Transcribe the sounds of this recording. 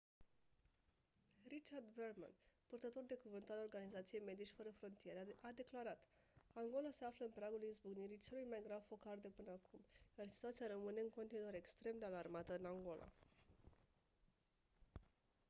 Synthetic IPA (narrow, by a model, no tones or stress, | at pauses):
rit͡ʃard̪ve̞rma̰npurt̪ət̪o̞rd̪e̞kuvɨnt̪alo̞rɡanizat̪sije̞jme̞d̪iʃʲfəɾəfɾo̞nt̪ije̞ɾead̪e̞klaɾat̪ | aŋɡo̞lase̞afləɨnpɾaɡulizbuɡniɾit͡ʃe̞lujmajɡɾavfo̞kard̪e̞pɨnəakʰumjarsi̥t̪uat̪sijaɾəmɨne̞ɨŋko̞nt̪inuoɾe̞kst̪ɾe̞md̪e̞alarmat̪əɨnaŋɡo̞lʔa̰